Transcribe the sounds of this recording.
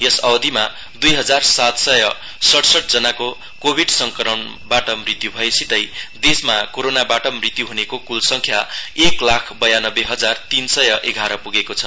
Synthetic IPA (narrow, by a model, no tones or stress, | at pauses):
jʌsʌwd̪ʱima | d̪ujɦʌd͡zarsat̪sʌjʌ | sʌʈsʌʈ̚d͡zʌnako | kobʱiɖsʌŋkʌɾʌn | baʈʌmrit̪jubʱʌesit̪ʌjd̪esmakoɾonabaʈʌmrit̪juɦunekokulsʌŋkʰjaeklakʰbʌjanʌbːeɦʌd͡zart̪insʌjʌʔeɡʱaɾʌpuɡekot͡sʰʌ̥